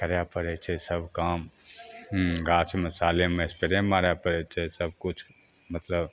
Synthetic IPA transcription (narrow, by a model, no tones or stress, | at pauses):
kəɾjapəɾɛt͡ʃʰɛsəbʱkaːm | ɡaːt͡ʃʰməsaːlemẽspeɾemaːɾjapəɾɛt͡ʃʰɛsəb̚kʊt͡ʃʰ | mət̪ləb